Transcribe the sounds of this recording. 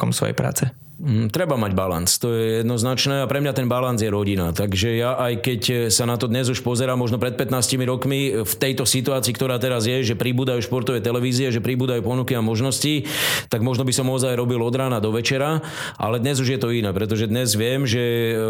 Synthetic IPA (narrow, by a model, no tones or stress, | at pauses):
kɔ̰msʋɔ̰jɛ̰pɾa̰ːt͡sɛ | t̪ɾɛbamaɟbala̰nt͡st̪ɔjɛjɛd̪nɔznat͡ʃnɛːapɾɛmɲat̪ɛnbaland͡zjɛɾɔɟina̰t̪aɡʒɛjaʔajkɛcsanat̪ɔd̪ɲɛzuʃpɔzɛɾaːmːɔʒnɔpɾɛt̪̚pɛt̪naːscimiɾɔkmift̪ɛjt̪ɔsit̪uaːt͡siːkt̪ɔɾaːt̪ɛɾazjɛʒɛpɾibuːd̪ajuʃpɔɾt̪ɔʋɛjt̪ɛlɛʋiːziɛʒɛpɾibuːd̪ajupɔnukiamɔʒnɔscit̪aɡmɔʒnɔbisɔmɔzajɾɔbilɔd̪ɾaːnad̪ɔʋɛt͡ʃɛɾa | ʔa̰lɛd̪ɲɛzuʒjɛt̪ɔinɛːpɾɛt̪̬ɔʒɛd̪ɲɛzʋɪɛmʒɛ